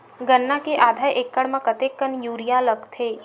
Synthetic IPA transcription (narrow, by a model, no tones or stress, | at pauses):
ɡənːakeʔaːd̪ʱaːjʔekːəɽmə̃kət̪ekːənjuːɾijãləɡt̪ʰeː